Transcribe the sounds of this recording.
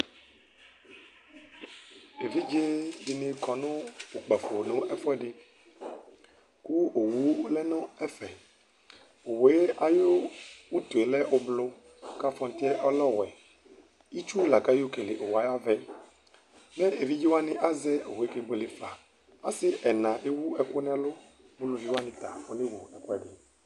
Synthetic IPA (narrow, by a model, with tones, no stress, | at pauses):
e˨vi˦d͡ʒe˦di˨nẽ˨kɔ˨nõ˦wo˨k͡pɛ˨fo˨nõ˦ʔɛ˦fɔ˦ɛ˦ɖɪ˦ | ku˦o˨wu˦lɛ˦nɔ̃˦ɛ˦fɛ˨ | o˨we˦a˨jo˦wu˦t̪o˨e˨lɛ˦ʔo˦blo˦ | ka˦fɔ˨n˦t̪i˦ɛ˦ʔɔ˦lɔ˦wɛ˨ | i˦t͡ʃu˦la˨ka˦jo˦ke˨le˨ʔo˨wa˨˦ja˦vɛ˦ | nɛ̃˦ʔe˨vi˦d͡ʒi˦wa˦nĩ˦ʔa˦zɛ˦o˨wo˨e˦ke˨bo˨le˨fa˨ | ã̰˦sɪ˦ʔɛ˨nã˨ʔe˦wu˦ɛ˨ko˦nɛ̃˦a˦lo˦ | bu˦lo˨vi˦wa˦nĩ˨t̪a˨wo˦ne˦wu˨ɛ˨kɔ˦ɛ˨ɖe˨